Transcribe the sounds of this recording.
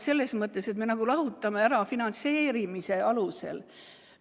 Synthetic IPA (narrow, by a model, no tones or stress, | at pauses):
se̞lːe̞smɤt̪ːˑese̞t̪me̞nɑɡ̥ulɑɦut̪ːˑɑme̞æɾɑfinɑnt̪se̞ːɾimise̞ɑluse̞̰l